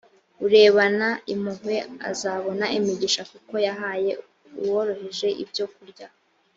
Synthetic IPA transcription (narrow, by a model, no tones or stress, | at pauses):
uɾe̞ːβanaimuɦwea̰zaβo̞naʔimiɟiʃakuko̞jaɦaːje̞ | uwoɾo̞heʒe̞ʔḭbjo̞kuɾɟa